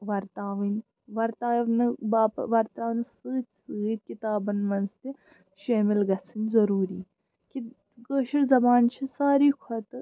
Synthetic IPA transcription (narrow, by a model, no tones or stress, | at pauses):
ʋɐɾt̪aːʋinʲ | ʋɐɾt̪aːʋnɨbaːpʋɐɾt̪aːʋnsɨːt̪ʲsɨːt̪̚ʲkit̪aːbɐnmɐnzt̪i | ʃaːmilɡɐt͡sʰɨnʲzɐɾuːɾiː | ki | ɡəːʃiɾzɐbaːnt͡ʃʰisaːɾiːkʰɐt̪ɨ